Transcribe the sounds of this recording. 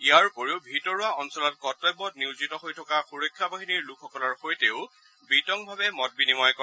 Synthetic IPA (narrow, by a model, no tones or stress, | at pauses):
ijaɹkoɹiʊbʱitɔɹʊaɔnsɔlɔtkɔtɔjbɔtniwzitɔɦojtʰɔkaxuɹɔkʰːabaɦiniɹlukʰɔkɔlɔɹxojteʊ | bitɔŋbʱabɛmɔt̚binimɔjkɔ